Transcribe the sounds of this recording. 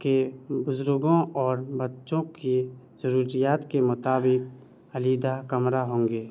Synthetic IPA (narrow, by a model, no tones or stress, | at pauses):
kebʊzɾʊɡõɔːɾbətːʃõki | zəɾuːɾijaːt̪kemʊt̪aːbɪk̚ | əliːd̪akəmɾaɦõːŋɡeː